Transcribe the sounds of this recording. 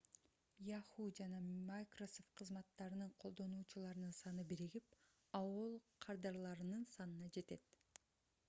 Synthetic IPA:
jɑhud͡ʒɑnɑmajkrosoft̪̚qʰɯzmɑt̪ːɑɾɯnɯɴqʰo̞lˠd̪o̞nuːt͡ʃulˠɑɾɯnɯnsɑnɯbiɾiɡip | ɑwolˠqʰɑɾd̪ɑɾlˠɑɾɯnɯnsɑnɯnɑd͡ʒe̞t̪e̞t̪

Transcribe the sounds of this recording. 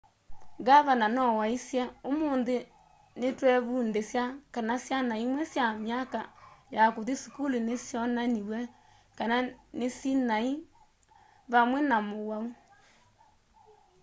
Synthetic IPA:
ɡaβananɔwaisjaomoːnðe | netwɛβundesjakanasjanaimwɛsjamjakajakoðisukulinesjɔnaniβwɛ | kananesinai | βamwɛnamoɣwau

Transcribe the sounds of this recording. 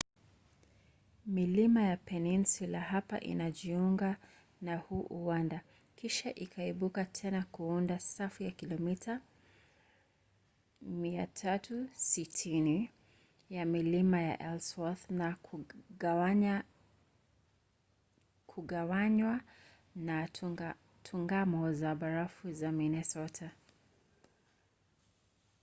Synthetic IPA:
milimajapɛninsulahapa̰ʔḭnaʄiuŋɡa | nahuʔuwanda | kiʃaʔikʰaiɓukatʰɛnakuundasafujakilɔmitʰa | mia̰tʰatusitʰini | jamilimaja̰ʔɛlswɔθna | kʰuɡawaɲwa | na | tʰuŋɡamɔzaɓaɾafuzaminɛsɔtʰa

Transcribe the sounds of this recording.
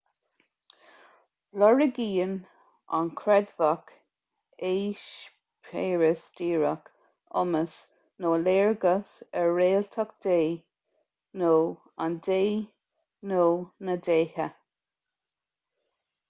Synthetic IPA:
lɔɹəɡiːən | a̰nkʰɾɛd̪vak | eːʃ | pʰeːɹəsdiːɹak | ʊ̰məs | noːleːɹɡəsɛɹːeːlt̪ʰakd̪̥eː | noː | a̰ndeː | noːnəd̪eːhə

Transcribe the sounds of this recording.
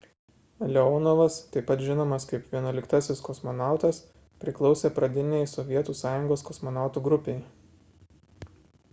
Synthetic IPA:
lʲɛɔːnoːʋɐst̪ɐɪpːɐt̪ʒʲɪnoːmɐskɐɪpʋʲiɛnuɔlʲɪkt̪ɐsʲɪskɔsmɔnɑˑʊt̪ɐs | pʲɾʲɪklˠɒʊsʲeːpɾɐd̪ʲɪnʲɛɪsɔʋʲiɛt̪uːsɑːjʊŋɡoːskɔsmɔnɑˑʊt̪uːɡɾʊpʲeɪ

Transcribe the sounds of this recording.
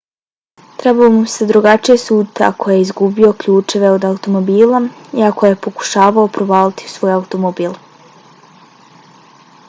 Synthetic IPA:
t̪ɾebalomused̪ɾuɡat͡ʃijesuːt̪ea̰kʰo̞jeizɡubio̞kʎuːt͡ʃe̞ʋe̞o̞d̪aut̪o̞mo̞biːlˠaiako̞je̞po̞ku̥ʃaːʋaopɾobaːlit̪ʰi̥sʋo̞ːjaut̪o̞mobiːlˠ

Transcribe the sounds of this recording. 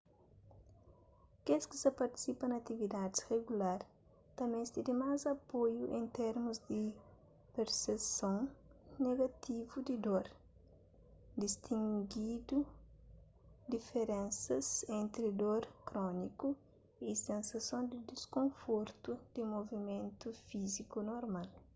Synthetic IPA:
keski̥sɐpɐɾt̪i̥sipɐnɐt̪ivid̪ad̪ɪsreɡulaɾ | t̪ɐmẽst̪id̪imazɐpojuʔẽnt̪eɾmuzd̪i | peɾsesõŋneɡɐt̪ʰivud̪id̪oɾ | d̪ist̪ʰĩŋɡid̪u | d̪ifeɾɛ̃nsɐzẽnt̪ɾid̪oɾkɾɔniku | isẽnsɐsõnd̪id̪iskõɱfoɾt̪ud̪̥imovimẽnt̪ufizikunoɾmal

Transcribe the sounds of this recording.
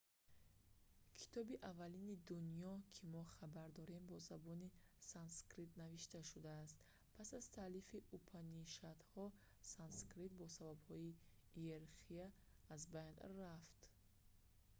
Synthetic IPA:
kʰi̥t̪ʰɔbiʔavalinid̪unijɔkʰimɔχabaɾd̪ɔɾe̞mbɔzabɔnisanskɾit̪naviʃt̪aʃud̪aːst̪ | pʰasazt̪ʰalifiʔupʰaniʃat̪hɔ | sanskɾit̪̚bɔsababhɔieɾχiaː | zbajnraft̪

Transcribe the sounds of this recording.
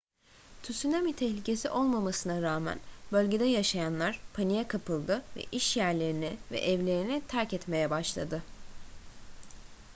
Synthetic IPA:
t̪ʰysynamit̪ʰɛçlʲice̞siʔo̞lˠmamasɯnaɾaːmæ̰nbø̞lʲɟe̞d̪ɛjaʃajanlˠaɾ̥pʰanijɛkʰapʰɯlˠd̪ɯvɛ̰ʔiʃjæɾlʲe̞ɾinɪvɛ̰ʔɛvlʲe̞ɾinit̪ʰæɾcɛt̪me̞jɛbaʃlˠa̰d̪ɯ

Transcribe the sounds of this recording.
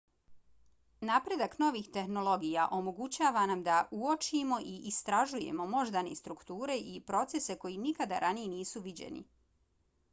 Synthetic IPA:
napɾe̞d̪akno̞ʋiːxt̪e̞xno̞lo̞ɡijaʔo̞mo̞ɡut͡ɕaːʋanamd̪aʔuot͡ʃimo̞ʔiʔist̪ɾaʒuje̞̰mo̞mo̞ʒd̪anḛst̪ɾukt̪uːɾe̞ʔipɾo̞t̪se̞se̞ko̞jinikad̪a̰ɾʔanijeniːsuʋid͡ʑe̞̰nḭ

